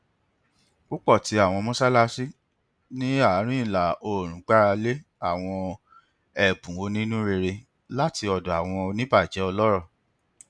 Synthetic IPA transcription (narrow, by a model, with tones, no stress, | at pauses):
ku˦k͡pɔ˦˨ti˨˦a˦˨w̃ɔ̃˧mɔ̃˦sa˦la˧si˦ | nĩ˦a˦˨˦ɾ̃ĩ˦i˨la˨o˨ɾ̃ũ˨˦k͡pa˦ɾa˧le˦ | a˦˨w̃ɔ̃˧ | ɛ˨bũ˨wo˧˦nĩ˦nũ˦ɾe˧ɾe˧ | la˦ti˧ɔ˨dɔ˨a˨w̃ɔ̃˧nĩ˦ba˦˨d͡ʒɛ˨˦ɔ˧lɔ˦ɾɔ˦˨